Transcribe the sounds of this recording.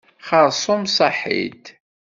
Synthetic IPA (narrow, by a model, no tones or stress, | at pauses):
χəɾˤsˤʊmsˤɑħḭt̪